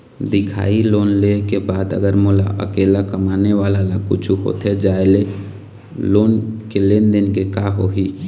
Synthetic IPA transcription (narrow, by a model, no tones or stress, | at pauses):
d̪ɪkʰa̰ːiloːnlekebaːd̪ə̰ɡəɾmola̰ʔə̰kelakəmaneʋalalakut͡ʃʰuɦo̰t̪ʰed͡ʒaːele | loːnkelend̪ɪnkekaɦoɦi